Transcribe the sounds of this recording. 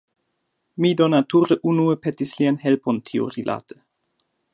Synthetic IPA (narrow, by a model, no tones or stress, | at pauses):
mid̪onatuɾəʔunuepetislianhelpontʰio̰ɾilʔa̰t̪ʰə̥